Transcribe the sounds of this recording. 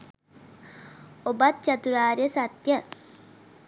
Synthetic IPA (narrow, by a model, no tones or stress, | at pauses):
obat̪̚t͡ʃat̪uɾaːɾijəsat̪jə